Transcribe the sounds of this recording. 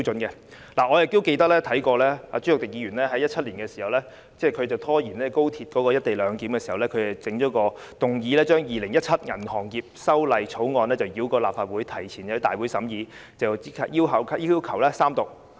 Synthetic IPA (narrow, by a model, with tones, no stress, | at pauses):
t͡ʃɵ˨˥nkɛ˧ | laː˨˩ŋɔː˨˧jɪ˨kt̪o˥wke˧jt̪ɐ˥k̚lɛː˥t̪ʰɐ˨˥jkɔː˧lɛː˥aː˨˧t͡ʃy˥ʊ˨k̚t̪ɪ˨k̚jiː˨˧ɥyː˨˩nlɛː˥ɦɐ˨˥jɐ˥t̚t͡ʃʰɐ˥t̚liː˨˩nkɛː˧si˨˩hɐ˨wlɛː˥ | t͡sɛː˥˩kʰɵ˨˧ɥt͡sɐ˨wt̪ʰɔː˥jiː˨˩nlɛː˥ko˥wt̪ʰi˧t̚kɔː˨˥kɔː˧jɐ˥t̚t̪e˨jlœː˨˧ŋkiː˨˥mkɛː˧si˨˩hɐ˨˩wlɛ˥kʰɵ˨˧ɥt͡sɐ˨t͡sɪ˨˥ŋt͡ʃɔː˨˥kɔː˧ | t̪ʊ˨ŋjiː˨˧lɛː˥t͡ʃœː˥ŋjiː˨lɪ˨˩ŋjɐ˥t̚t͡sʰɐ˥t̚ŋɐ˨˩nhɔː˨˩ŋkiː˧p̚sɐ˥wlɐ˨jt͡sʰo˨˥wŋɔː˧nlɛː˥t͡sɐ˨˩wjiː˨˥wkɔː˧laː˨p̚faː˨t̚wuː˨˥jt̪ʰɐ˨˩jt͡sʰiː˨˩njɐ˨˧˥t̪aː˨jwu˨˥jsɐ˨˥mjiː˨˧t͡sɐ˨wt͡si˨˥kʰa˨˧t̚jiː˥wɦɐ˨˥wkʰji˥wkʰɐ˨˩wlɛː˥saː˥mt̪ʊ˨k̚